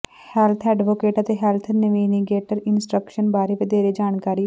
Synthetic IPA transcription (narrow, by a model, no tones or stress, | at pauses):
hɛlt̪ʰɛːɖʋoːkeːʈət̪eɦɛlt̪ʰnəʋiːniɡeːʈəɾɪnsʈɾəkʃənbaːɾeʋed̪eːɾed͡ʒaːnkaːɾiː